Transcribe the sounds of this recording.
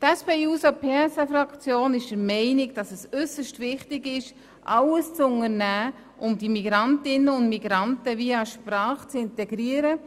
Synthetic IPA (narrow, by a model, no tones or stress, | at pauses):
tɛspeːuːsopʰeːsɛfɾɑkt͡sjoːnɪʃd̥əɾmɛɪnɪɡd̥ɑsɛsʏsəʃtvɪχtɪɡɪʃ | ʔɑləst͡sʊnəɾnæː | ʔʊmdimiɡɾɑntɪnəʊndmiɡɾɑntəviəɑʃpɾɑːχt͡sɪntɛɡ̥ɾiəɾə